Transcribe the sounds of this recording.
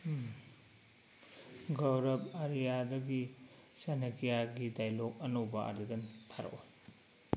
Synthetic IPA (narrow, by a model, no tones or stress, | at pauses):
ɡɐwɾɐb̚ɐɾijadɐɡi | sɐnɐkijaɡidajlok̚ɐnowbɐa̰ɾidɐntʰaɾɐ̰ʔoj